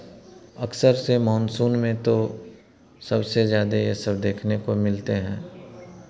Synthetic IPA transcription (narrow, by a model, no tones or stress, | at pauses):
ɐksəɾsemɔːnsuːnmẽt̪o | sɐbsezjaːd̪ejesɐbd̪eːkʰnekomɪlt̪eɦɛ̰̃ː